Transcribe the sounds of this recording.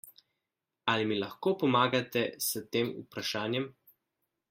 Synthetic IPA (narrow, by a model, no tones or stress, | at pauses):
alimilaxkoːpɔmaːɡat̪ɛsət̪eːmṵpɾaʃaːnjɛm